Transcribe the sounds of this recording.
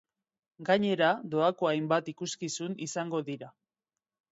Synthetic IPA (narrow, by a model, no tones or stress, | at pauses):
ɡaɲe̞ɾad̪o̞ako̞ajmbat̪ikuskisunisaŋɡo̞ðiɾa